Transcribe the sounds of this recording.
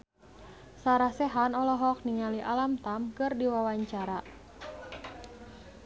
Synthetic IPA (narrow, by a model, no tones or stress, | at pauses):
saɾahsɛɦanɔlɔɦɔk̚niŋaliʔalamt̪amkɨrdiwawaɲt͡ʃaɾa